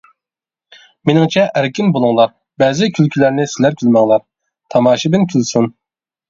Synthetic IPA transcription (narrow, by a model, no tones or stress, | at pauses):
menɪŋt͡ʃʰɛʔæɾkʲinbolˠuŋlˠɑɾ | bɛːzɪkʲʰylkʲʰylæɾnɪsɪlæɾkʲʰylmɑŋlˠɑɾ | t̪ʰɑmɑːʃibɪnkʲʰylsun